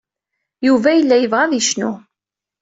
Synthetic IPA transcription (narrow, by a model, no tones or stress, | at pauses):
juvæjəlːæjəvʁæðiʃnʊ